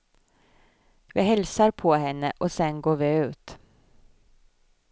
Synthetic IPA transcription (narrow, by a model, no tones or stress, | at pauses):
ʋɪːɦɛlsəɾpʰɔhɛnːəʔɔsɛnɡoːɾʋɪʉ̟ːt̪